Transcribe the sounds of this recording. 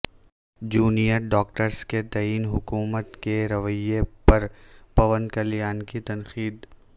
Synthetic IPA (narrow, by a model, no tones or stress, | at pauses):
d͡ʒuːnijəɾɖɔːk̚ʈəɾsket̪ɐiːnɦʊkuːmət̪keɾɐʋəjepɐɾpɐʋənkɐlijaːnkit̪ɐnxiːd̪